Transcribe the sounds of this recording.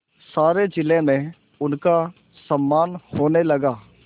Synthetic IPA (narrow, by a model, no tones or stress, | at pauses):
saːɾed͡ʒɪlẽmẽ | ʊnka | sɐmːaːnhoːnelɐɡaː